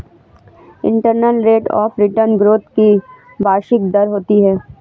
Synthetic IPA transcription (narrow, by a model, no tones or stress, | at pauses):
ɪ̰̃ɳʈəɾnəlɾeːʈɔ̰ːfɾɪʈənɡɾoːt̪ki | baːʃɪk̚d̪ɐɾɦoːt̪iɦɛː